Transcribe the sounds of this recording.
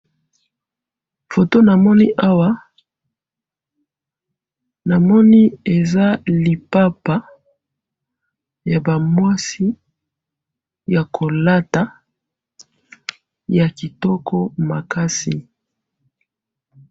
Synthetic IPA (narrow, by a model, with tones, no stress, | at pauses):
fo˨to˦na˨mɔ˦ni˦ʔa˦wa˦ | na˨mɔ˦ni˦e˨za˦li˨pa˦pa˦ | ja˨ba˨mwa˦si˦ | ja˨kʰo˨la˦ta˨ | ja˨ki˨tɔ˦kʰɔ˦ma˨ka˦sḭ˨